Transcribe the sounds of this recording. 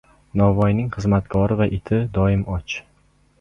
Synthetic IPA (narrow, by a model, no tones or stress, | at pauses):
nɒvɒjnɪŋχɨzmat̪kʰɒɾɪvaʔɪt̪ʰɪd̪ɒɪmɒt͡ʃ